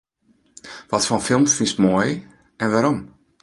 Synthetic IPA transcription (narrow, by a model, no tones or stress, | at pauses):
ʋɔtfɔnfɪlˠmfinstmɔj | ɛnʋaɾɔm